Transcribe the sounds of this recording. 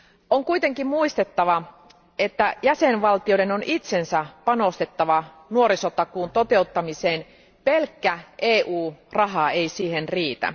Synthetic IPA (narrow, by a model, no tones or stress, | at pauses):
oŋkujt̪e̞ŋkimmuist̪e̞t̪ːɑʋɑ | e̞t̪ːæjæsenʋɑlt̪ijoɾe̞no̞nʔit̪sensæpɑno̞st̪e̞t̪ːɑʋɑ | nuoɾisot̪ːɑkuːnt̪o̞t̪e̞ut̪ːɑmiseːn | pelkːæʔeːʔuːrɑɦɑejsiːhenriːt̪æ̰